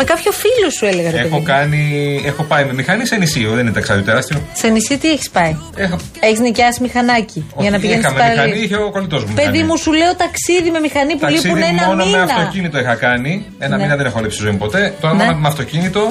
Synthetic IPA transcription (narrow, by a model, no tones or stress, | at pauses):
mekɐpço̞filosueleɣɐt̪eokɐniexo̞pɐime̞mixɐnisenisioðeninet̪ɐksɐðiot̪eɾɐst̪iosenisiot̪ieçi̥spɐi | exo | e̞çiznicɐsimixɐnɐcioʝɐnɐpiʝenɐsmeɐlɐiiçeoko̞lit̪o̞zmuumipeɐðimusuleot̪ɐksiðime̞mixɐnipuɐleisiuneonomeɐfnt̪o̞cinit̪o̞exɐkɐni | enɐninɐðenexoɐlipsi̥tizo̞impo̞t̪e̞t̪oɾɐmɐmeɐft̪o̞cinit̪o̞